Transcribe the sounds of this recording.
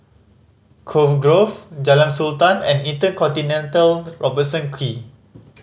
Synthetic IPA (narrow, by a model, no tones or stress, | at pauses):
kʰofɡɹofd͡ʒalãnsultãnɛ̰̃nĩntəkɔ̃ntinɛ̃ntəlɹʔɔbəsɔ̃nkʰwi